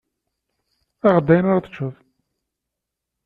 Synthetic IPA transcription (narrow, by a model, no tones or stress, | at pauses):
æʁd̪ːæjnaɾaθə̥t͡ʃːəðˤ